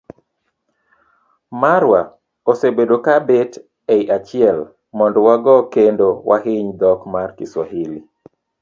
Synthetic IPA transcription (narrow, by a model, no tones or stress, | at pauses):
maɾwa | osebedokabet | eiʔat͡ʃɪɛl | mɔndɔwaɡɔkendowʔa̰ɦɪɲd̪ɔkmarkɪswaɦili